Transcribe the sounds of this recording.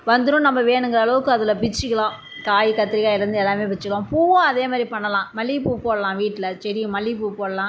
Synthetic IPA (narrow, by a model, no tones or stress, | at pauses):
ʋɐnd̪ɯɾʊ̃nɐmːɐʋeːɳɯŋɡɐɾɐɐɭɐʋɯkːɯɐðɯlɐbɪt͡ʃːɯkːɐɭãː | kaːjikɐt̪ːɪɾɪɣaːjɪlɐɾɯnd̪ɯɛlːaːmeːʋɛt͡ʃːɯkːɐlãːpuːʋõɐðeːmaːd̪ɾipɐɳːɐlãːmɐɭːipuːpoːlɐlãːʋiːʈːɪlɐt͡ʃɛɾɪj̃mɐɭːipuːpoːɭɐlãː